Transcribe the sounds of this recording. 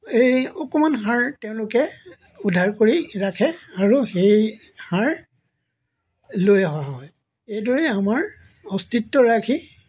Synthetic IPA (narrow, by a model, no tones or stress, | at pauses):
ejɔkɔmanɦaɹteʊ̃lʊkɛ | udʱaɹkoɹiɹakʰɛaɹuxej | haɹ | lojɦɔaɦɔj | ejdɔɹɛamaɹ | ɔstitːɔɹakʰi